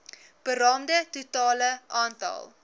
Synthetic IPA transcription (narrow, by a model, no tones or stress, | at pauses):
b̥əɾɑːmdətutɑːləʔɑːntɑ̰lˠ